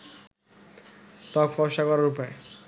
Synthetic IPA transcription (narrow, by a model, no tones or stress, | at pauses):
t̪ɔkfɔʃakɔɾaɾupae